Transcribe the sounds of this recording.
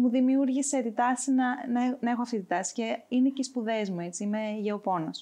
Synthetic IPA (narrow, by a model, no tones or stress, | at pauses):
muðimiuɾʝise̞t̪it̪ɐsinɐnɐenɐe̞xoɐft̪it̪it̪ɐsi̥ce̞ineceispuðe̞zmue̞t͡siimeʝeopo̞nos